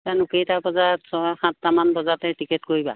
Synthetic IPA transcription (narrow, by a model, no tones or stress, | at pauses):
tanukejtabɔzasɔxãtːamanbɔzatɛtikɛtkoɹiba̰